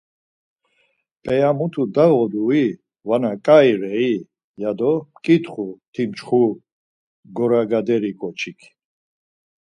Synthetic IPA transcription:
pʼɛjamut̪ʰud̪aɣɔd̪ui | vanakʼajɾɛi | jad̪ɔmkʼit̪χut̪ʰimt͡ʃχu | ɡɔɾaɡad̪ɛɾikʼɔt͡ʃʰikʰ

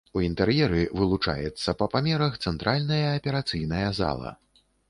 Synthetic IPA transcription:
uint̪ɛɾjɛɾɨvɨlˠut͡ʂa̰jɛt̪sːɐpɐpamʲɛɾɐxt̪sɛnt̪ɾʔalʲnɐjɐːpʲɛɾat̪sɨjnɐjɐza̰lˠɐ̰

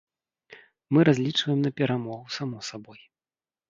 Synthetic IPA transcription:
mɨɾazʲlʲit͡ʂvɐjɛmnɐpʲɛɾamɔɣusamɔsabɔj

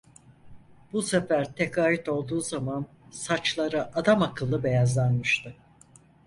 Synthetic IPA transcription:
busefæɾt̪ʰɛkaːjit̪o̞lˠd̪uːzaman | sat͡ʃlˠaɾɯʔad̪amakʰɯlˠːɯbe̞jazlˠanmɯʃt̪ʰɯ

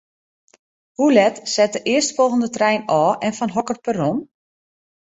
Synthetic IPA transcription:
hulɛtsɛt̚dəʔɪəstfɔlˠɣəndətrɛjnɔːʔɛnfɔnɦɔkəxpəron

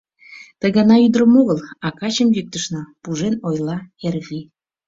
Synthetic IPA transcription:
t̪əɣɑnɑyd̪ɾəmoɣəlɑkɑt͡ɕəmjik̚t̪əʃnɤpuʒenojlɑervʲi

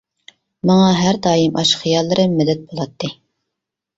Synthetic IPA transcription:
mɑŋɑɦæɾd̪ɑːjimʔɑʃχijɑlˠːɨɾɨmɪd̪ɛt̪̚bolˠɑt̪ːɨ

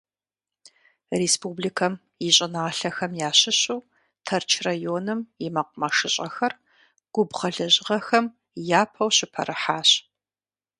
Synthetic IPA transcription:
reːspublikʰɐm | jɪɕʼɪnaːɬɐxɐmjaːɕɪɕuw | tʰɐrt͡ʃʰrajoːnɨmjɪmɐq̚ʷʊmɐʂɨɕʼɐxɐr | ɡ̥ʷʊbʁɐɮɐʑʁɐxɐm | jaːpʰɐwɕɪpʰɐ̰ɾʔɨħaːɕ

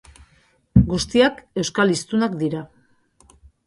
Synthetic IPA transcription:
ɡust̪iake̞wskalist̪unakd̪iɾa

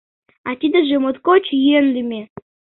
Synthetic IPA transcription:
at̪ʲid̪əʒemot̪kot͡ɕjenlʲymʲe

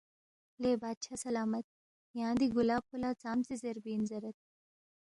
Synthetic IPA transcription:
leːbaːd̪ɕasɐlaːmət̪̚ | jãːd̪iɡulaːpʰulat͡saːmt͡sezeɾbiːnd͡zɐɾət̪̚

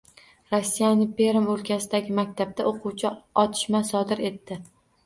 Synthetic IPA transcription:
ɾosːijanɪŋpʰe̞ɾɪmolkʲʰasɪd̪aɡʲɪmak̚ʲt̪ʰab̚t̪aoqʰuwt͡ʃʰaɒt̪ʰɪ̥ʃmasɒd̪ɪɾe̞t̪ːɪ

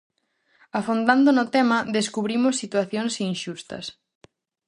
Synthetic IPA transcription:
afond̪and̪ʊnʊt̪ɛmɐðeskuβɾimʊsːit̪waθjoŋsinʃust̪ɐ̰s

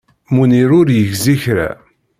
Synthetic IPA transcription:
muniɾʊɾjəʝziçɾæ̰

